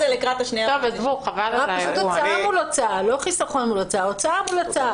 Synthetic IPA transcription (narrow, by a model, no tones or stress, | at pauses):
zelikʁat̪aʃniat̪ovezvuχavalaaʃut̪oaamulat͡saaloχisaχonmulat͡saot͡saamulat͡saa